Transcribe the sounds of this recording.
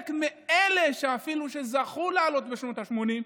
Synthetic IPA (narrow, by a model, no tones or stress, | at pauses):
kmeele̞ʃeafiluʃe̞zaχulealo̞t̪be̞ʃno̞t̪aʃmo̞nim